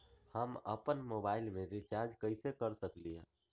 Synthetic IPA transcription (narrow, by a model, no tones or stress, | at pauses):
həmə̰pənmobailmeɾit͡ʃaɾd͡ʒkəjsekəɾsəklijə̰